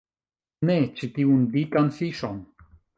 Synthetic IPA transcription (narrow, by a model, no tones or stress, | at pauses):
net͡ʃitiundikanfiʃon